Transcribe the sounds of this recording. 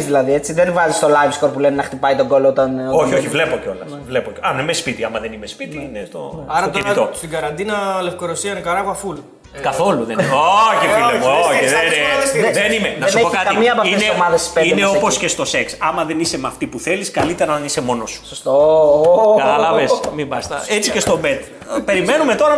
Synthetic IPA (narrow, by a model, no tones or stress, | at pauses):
zðilɐðie̞t͡siðenvɐzist̪o̞lɐjvsko̞ɾpulenenɐxt̪ipɐjt̪oɡo̞loot̪ɐnoçioçivle̞poceo̞lɐ | vlepoɐmenimespit̪iɐmɐðenimespit̪iinest̪o̞̰ɐɾɐot̪enit̪ost̪iɡɐɾɐnd̪inɐlefkoɾosiɐnɐkɐɾɐɣɐful | kɐθo̞luðenoçifileooðesiðenimenɐsuepokɐt̪kɐimiɐpɐfineomɐðɐsispeineo̞po̞sce̞st̪o̞se̞ksɐmɐðe̞nise̞mɐft̪ipuθe̞liskɐlit̪e̞ɾɐðenise̞mo̞nosu̥sost̪o | ɡɐt̪ɐlɐvesmibɐst̪ɐ̰et͡sice̞st̪o̞bet̪ | pe̞ɾime̞nume̞t̪o̞ɾɐ